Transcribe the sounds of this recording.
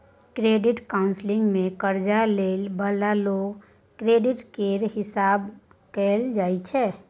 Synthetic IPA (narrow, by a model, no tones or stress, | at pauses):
kɾeːɖɪʈkaʊnslɪ̃ŋɡmẽkəɾd͡ʒaleːlbəlaloːɡ | kɾeːɖɪʈkeɾɦɪsaːb | kɛːld͡ʒaːit͡ʃʰɛ